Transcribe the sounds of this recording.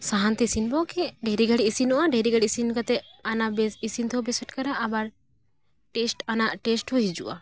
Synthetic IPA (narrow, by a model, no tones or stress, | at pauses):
saɦant̪ɛisinbɔkɛɖɛɾiɡaɽiisinuʔaɖɛɾiɡaɽisinkat̪ɛanabɛsisint̪ɔbɛsɛʈkaɾaʔːbaɾ | ʈɛsʈanaʔʈɛsʈhɔɦid͡ʒṵʔa